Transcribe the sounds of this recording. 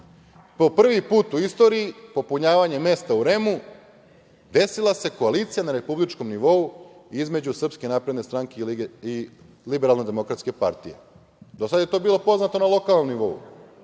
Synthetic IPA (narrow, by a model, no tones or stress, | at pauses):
po̞pr̩ʋipuːt̪uist̪o̞ːɾiːpo̞puɲaːʋaɲe̞me̞st̪auɾe̞mu | d̪e̞silˠase̞koalit̪sijanaɾe̞publit͡ʃko̞mniʋo̞uizme̞d͡ʑusr̩pske̞naːpɾe̞d̪ne̞st̪ɾaŋkei | libeɾalne̞d̪e̞mo̞kɾat̪ske̞pa̰ɾt̪ijḛ | d̪o̞sad̪je̞t̪o̞ːbiːlo̞po̞znat̪o̞nalˠo̞kalˠno̞mniʋo̞ṵ